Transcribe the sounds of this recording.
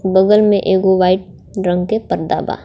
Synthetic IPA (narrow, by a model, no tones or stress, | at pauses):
bəɡəlmẽʔeːɡoʋaːɪʈ̚ | ɾə̃ŋɡkepəɾd̪a̰ːba̰ː